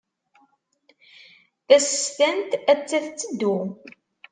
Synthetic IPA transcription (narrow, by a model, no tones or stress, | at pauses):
θæsəst̪ænt̪æt͡sːæθt͡sːəd̪ːu